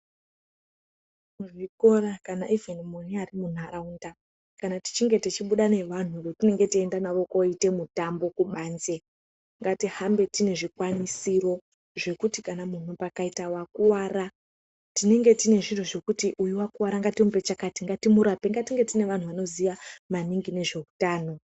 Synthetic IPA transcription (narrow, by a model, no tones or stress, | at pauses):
uʐikorakanaʔivenimoniaɾimun̤aɾaunda | kanati̥t͡ʃiŋɡe̞tit͡ʃiɓuɗane̞ʋan̤urotine̞ŋɡe̞tie̞ndanaʋo̞koite̞mutambo̞kuɓaːnze̞ | ŋɡatihambe̞tine̞ʐikwanisiro̞ | ʐe̞kutikanamun̤upakaitawakuwaːra | tine̞ŋɡe̞tine̞ʐin̤uʐe̞kutiʔujuwakuwaɾaŋɡatimupet͡ʃakatiŋɡatimuɾape̞ŋɡatiŋɡe̞tine̞ʋan̤uʋano̞zijamaniŋɡine̞ʐe̞utaːno̞